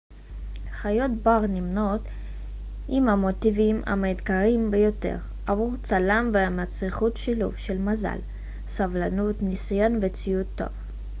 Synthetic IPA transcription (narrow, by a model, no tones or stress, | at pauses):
aχajo̞tbaʁnimno̞t | ʔimhamo̞tivima̰med̪kaʁimbejo̞te̞̰ʁ | ʔavuʁt͡salamveamat͡sʁiχutʃilṵvʃe̞lmaza̰l | savlanutnisajo̞nvet͡sijut̪ːo̞̰v